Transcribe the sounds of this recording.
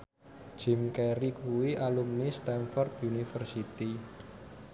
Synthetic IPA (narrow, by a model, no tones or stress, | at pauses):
ʒ̥ɪ̤mkɛɾikuwiʔalumnist̪ɛnfɔrt̪unifərsit̪i